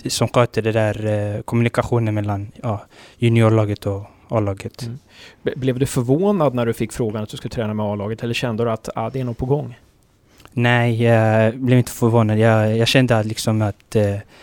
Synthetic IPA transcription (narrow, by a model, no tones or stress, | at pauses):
sɔmxøːt̪əɖɛd̪æːɾkʰɔmɵnɪkaɧuːnənmɛlːanjɑːjɵnɪuːɭɑːɡət̪ʰɔ | ɑ̰ːlɑːɡət̪ | blɛvd̪ɵfœɾvoːnad̪næɖɵfɪkːfɾoːɡanat̪̚d̪ɵskad̪t̪ʰɾɛːnamɛɑːlɑːɡət̪ʰɛlːəɕɛnd̪əd̪ɵat̪a̰d̪ɛæɳut̪̚pʰɔɡɔŋː | nɛɪblɛvɪnt̪ʰə̥fœɾvoːnad̪jɑjɑːɡɕɛnd̪əlɪksɔmat̪